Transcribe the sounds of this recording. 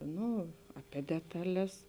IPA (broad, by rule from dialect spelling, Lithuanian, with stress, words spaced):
ˈnʊ ɐpʲiɛ ˈdʲæːtɐˌlʲɛs